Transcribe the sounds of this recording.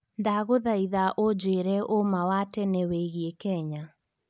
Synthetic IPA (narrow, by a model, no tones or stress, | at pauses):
ndaɣoðaiðaʔod͡ʑeɾɛʔomawatɛneweɣiekɛɲa